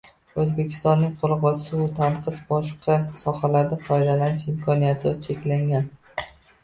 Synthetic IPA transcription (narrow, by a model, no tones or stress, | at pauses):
ɵzbe̞kʲʰɪ̥st̪ɒnːɪŋqʰoɾˠʁɒt͡ʃʰɪ̥sɪbʊt̪ʰaɴqʰɨzbɒʃqʰɑsɒhalaɾd̪afɒjd̪alanɪʃɪmkʰɒnijat̪ʰɪt͡ʃʰe̞kʲlaŋɡʲan